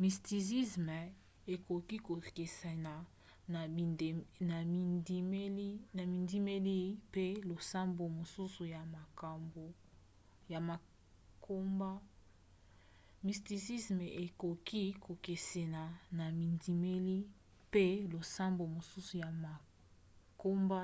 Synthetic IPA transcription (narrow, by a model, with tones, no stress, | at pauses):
mi˨sti˨si˦sme˨ | e˨ko˨ki˦ko˨ke˨se˨na˨ | n˨na˨˦m˦li˦na˨mi˨ndi˦me˦li˦pe˦lo˨sa˦mbo˨mo˨su˦su˨ja˨ma˨ka˨mbo˨ | ja˨ma˨ | kʰo˦mba˦ | mi˨sti˨si˦sme˨ʔe˨ko˨ki˦ko˨ke˨se˨na˨na˨mi˨ndi˨me˦li˦ | pe˦lo˨sa˦mbo˨mo˨su˦su˨ja˨ma˨ | ko˦mba˦